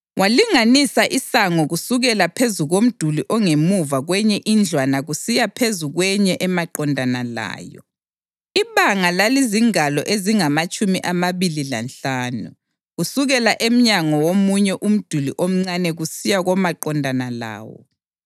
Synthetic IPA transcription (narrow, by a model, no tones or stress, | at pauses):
wʔaliŋanisaʔisaŋɔɣusuɣɛlapʰezuɣom̩d̥ʱuliʔɔŋemuvaɣwɛɲɛʔind͡ɮʱwanaɣusijapʰezuɣwɛɲɛʔɛmaǃɔndʱanala̰ːjɔ̰ | iβaŋalaliziŋalɔ̰ʔeziŋamat͡ʃʼumiʔamaβilila̰nɬaːnṵ | ɣusuɣɛlaʔem̩ɲaŋɔwomuɲɛʔum̩d̥ʱulḭʔom̩ŋ͡ǀanɛɣusijaɣɔmaǃɔndʱanala̰ːwɔ̰